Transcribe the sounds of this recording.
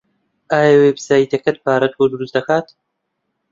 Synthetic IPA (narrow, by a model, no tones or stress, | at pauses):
ʔaːjɐweːbsaːit̪ʰɐkɐt̪̚paːɾɐt̪wod̪uɾusd̪ɐkaːt̪